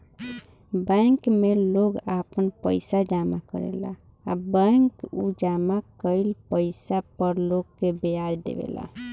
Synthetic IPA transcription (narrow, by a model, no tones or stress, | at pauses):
bɛŋkmeloɡapənpəjsad͡ʒamakə̰ɾɛ̰la̰ː | bə̃ŋkud͡ʒamakəɪlpəɪsapəɾloɡkːebead͡ʒd̪ḛbḛla̰